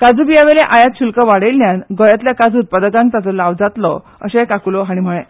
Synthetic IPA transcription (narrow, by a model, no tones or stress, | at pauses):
kad͡zubijaʋeleʔajat̪ɕulkəʋaɽelnjanɡɔjat̪ljakad͡zuːt̪̚pəd̪əɡãŋk̚t̪at͡sɔlaʋd͡zat̪lɔ̰ | ə̰ɕekakulɔɦaɽ̃im̤əɭẽ